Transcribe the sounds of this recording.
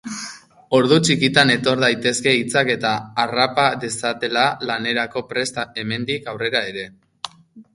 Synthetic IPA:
o̞ɾðut͡ʃikit̪ane̞t̪o̞ɾðajt̪e̞ske̞it͡sake̞t̪aːrapaðe̞sat̪e̞lalane̞ɾako̞pɾe̞st̪ae̞me̞nd̪ikawre̞ɾae̞ɾe̞

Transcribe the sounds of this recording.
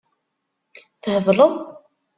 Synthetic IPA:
θəhəvləðˤ

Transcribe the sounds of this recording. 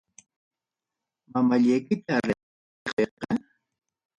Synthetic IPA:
mamaʎajkɪt̪aɾe | qeqɑ

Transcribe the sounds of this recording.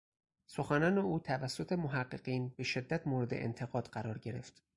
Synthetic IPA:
so̞xænɒːne̞uːt̪ʰævæsːo̞t̪ʰe̞moɦæɢːeɢ̥iːnbe̞ʃe̞d̪ːæt̪ʰmoːɾe̞d̪e̞̰ʔḛnt̪ʰe̞ɣɒːd̪̥ɢæɾɒːɾɟe̞ɾe̞ft̪

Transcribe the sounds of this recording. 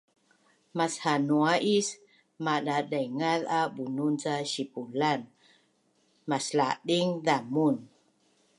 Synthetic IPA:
mashanuaʔis | maɗaɗəŋaðabununt͡saɕipulan | maslaɗiŋðamun

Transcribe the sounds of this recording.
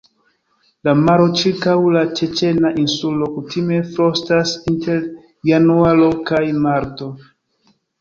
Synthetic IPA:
lamaɾo̞t͡ʃiɾkawlat͡ʃe̞t͡ʃe̞naʔinsulo̞kutʰime̞fɾo̞stasinte̞ɾ | janualo̞kajmaɾto̞

